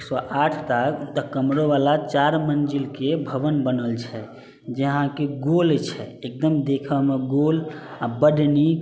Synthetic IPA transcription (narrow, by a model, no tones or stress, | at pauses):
ksɔʔaʈʰt̪at̪əkəmɾoʋalat͡ʃaɾmənd͡ʒilkebʱəbənbənəlt͡ʃʰɛ | d͡ʒəɦãkeɡolt͡ʃʰɛek̚d̪əmd̪ekʰəmeɡolabəɖni